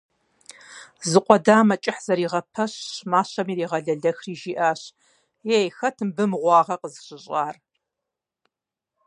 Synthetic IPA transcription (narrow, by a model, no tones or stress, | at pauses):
zɨqʷʼɔdaːmɐt͡ʃʼɪħz̥ɐɾiːʁɐpʰɐɕɕmaːɕɐmiːɾiːʁɐɮɐɮɐxriːʒiːʔaːɕ | jejxɐtʰɨmbɨmʁʷɑːʁɐqəzɨɕʼɪɕʼaːr